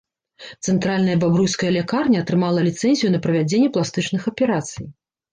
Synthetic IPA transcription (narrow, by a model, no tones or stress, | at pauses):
t̪sɛnt̪ɾalʲnɐjɐbabɾujskɐjɐlʲɛkarnʲɐɐt̪ɾɨmalˠɐlʲit̪sɛnʲzʲijunɐpɾɐvʲad͡zʲenʲːɛplˠast̪ɨt͡ʂnɨxɐpʲɛɾat̪sɨj